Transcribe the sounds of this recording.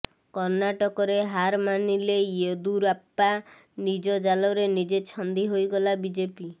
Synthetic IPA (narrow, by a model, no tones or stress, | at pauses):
kɔɾnaʈɔkɔɾeɦaɾmanilejed̪uɾapːa | nid͡ʒɔd͡ʒalɔɾenid͡ʒet͡ʃʰɔnd̪iɦojɡɔlabid͡ʒepi